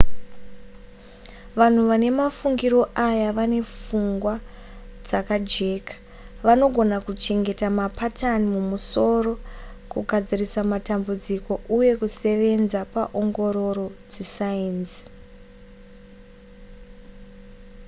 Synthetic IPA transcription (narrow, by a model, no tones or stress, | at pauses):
ʋan̤uʋane̞mafuŋɡiɾo̞ʔajaʋane̞fuŋɡwa | d͡zakad͡ʒe̞ːkḁ | ʋano̞ɡʱo̞nakut͡ʃe̞ŋɡe̞tamapatanimumuso̞ro̞kuɡʱad͡zirisamatambud͡ziko̞uje̞kuse̞ʋe̞nzapaʔo̞ŋɡo̞ɾo̞ɾo̞d͡zesainsi̥